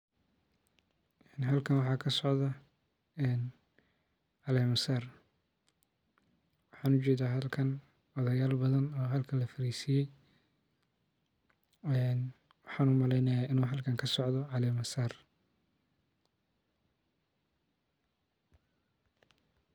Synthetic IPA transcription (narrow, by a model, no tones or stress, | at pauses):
ɛnɦɐlkʰɐnwɑħɑːkʰɐsɔʕðɐ | ɛːn | ʕɑlɛːmɐsaːr | wɑħɑːnʊt͡ʃɛːðaːɦɐlkʰɐn | ɔðɐjaːlbɐðɐnɔːɦɐlkʰɐlɐfɐɾiːsɪjɛj | ɛn | wɑħɑːnuːmɐlɛjnɐjaːʔɪnuːɦɐlkʰɐŋkʰɐsɔʕðɔʕɑlɛːmɐsaːr